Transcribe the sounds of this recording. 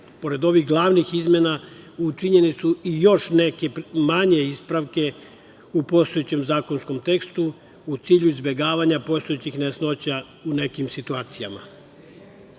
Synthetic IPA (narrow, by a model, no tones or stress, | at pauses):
po̞ɾe̞d̪o̞ʋixɡlˠaʋnixizmje̞naut͡ʃiɲenit̪suijo̞ʃne̞ke̞maɲe̞ispɾaʋke̞ | upo̞ːst̪ojet͡ɕe̞mzaːko̞nsko̞mt̪e̞kst̪u | ut̪siːʎuizbʲje̞ɡaːʋaɲapo̞st̪ojet͡ɕixnesno̞t͡ɕa | une̞kimsit̪uaːt̪sijama̰